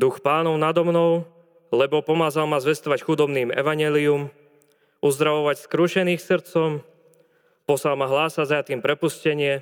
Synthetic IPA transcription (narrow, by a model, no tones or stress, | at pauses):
d̪uxpaːnɔʊnad̪ɔmnɔʊ | lɛbɔpɔmaːzalmazʋɛst̪ɔʋacxud̪ɔbniːmɛ̰ʋaɲɛːlium | uzd̪ɾaʋɔʋacskɾuʃɛniːxsrɾ̩t͡sɔm | pɔsalmaɦlaːsaɟzajat̪iːmpɾɛpuscɛɲɪɛ